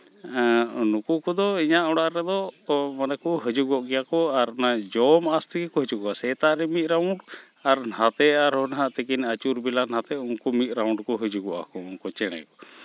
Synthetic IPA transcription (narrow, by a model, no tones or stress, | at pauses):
nukukud̪ɔiɲaʔɔɽaʔɾɛd̪ɔmanakuɦəd͡ʒuɡɔʔɡɛjakɔaɾnad͡ʒɔmast̪əkikɔɦəd͡ʒuɡɔʔasɛt̪aʔɾɛmit̪̚ˀɾawɳɖ | aɾnhat̪ɛaɾhɔnɦaʔt̪əkinət͡ʃuɾbilanhat̪ɛunkumit̪̚ˀɾawɳɖkɔɦəd͡ʒuɡɔʔa̰kɔunkɔt͡ʃɛña̰jkɔ